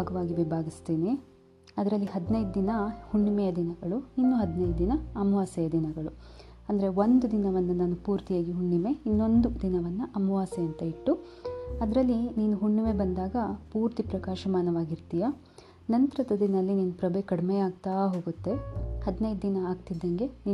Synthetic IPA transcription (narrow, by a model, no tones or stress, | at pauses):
ɡɐʋaːɡibibʱaːɡist̪iːni | ɐd̪ɐɾɐlːiɦɐd̪nɐjd̪̚d̪inɐhuɳːumɛjɐd̪inɐɡɐɭuinːuɦɐd̪nɐjd̪d̪inɐɐmɐʋaːsɛjɐd̪inɐɡɐɭu | ɐnd̪ɐɾe̞ʋond̪ud̪inɐʋɐnːunaːnupuːɾt̪ijaːɡiɦuɳːime̞inːo̞nd̪ud̪inɐʋɐnːuʔɐmɐʋaːsɐɐnt̪ɐiʈːu | ɐd̪ɐɾɐlːiniːnuɦuɳːimebɐnd̪aːɡɐpuːɾt̪ipɾɐkaːʃɐmaːnɐʋaːɡiɾt̪ija | nɐnt̪ɾɐt̪ɐd̪inɐlːiniːnupɾɐbekɐɽimejaːɡ̚t̪aːɦo̞ːɡut̪ːe̞hɐd̪nɐjd̪d̪inɐːɡ̚t̪id̪ːɐŋɡe̞niː